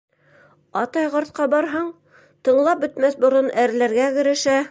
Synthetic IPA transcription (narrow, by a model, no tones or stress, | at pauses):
ɑt̪ɑjʁɑɾt̪̚qɑbɑɾɦɤɴ | t̪ɤ̆ɴlˠɑp̚bɵ̆t̪mæθbŏɾonæɾlæɾɡæɡɘ̆ɾɘ̆ʃæ